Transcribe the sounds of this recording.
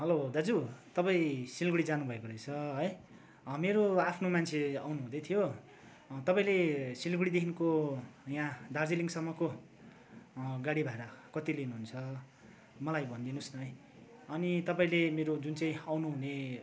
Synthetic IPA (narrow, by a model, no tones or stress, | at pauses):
ɦʌlod̪ad͡zut̪ʌpaĩsilɡuɽid͡zanubʱʌekoɾʌjt͡sʰʌɦʌj | ʌmeɾoapʰnomant͡sʰea̰wnuɦũd̪ʌjt̪ʰijo | t̪ʌpaĩlesilɡuɽid̪ekʰinkojãd̪ard͡ziliŋsʌmːʌko | ɡaɽibʱaeɾʌkʌt̪ilinuɦunt͡sʰʌ | mʌlajbʱʌnd̪inusnʌɦʌj | ʌnit̪ʌpaĩlemeɾod͡zunt͡saĩawnuɦune